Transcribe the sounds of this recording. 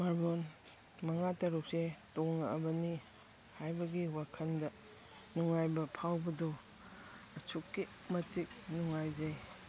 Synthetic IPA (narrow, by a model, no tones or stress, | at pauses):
maɾbon | mɐŋatɐɾuk̚setoŋnɐɐ̰bɐni | hajbɐɡiwakʰɐndɐ | nuŋajbɐpʰawbɐdo | ɐt͡ʃʰukːi | mɐtʰik̚nuŋajzaj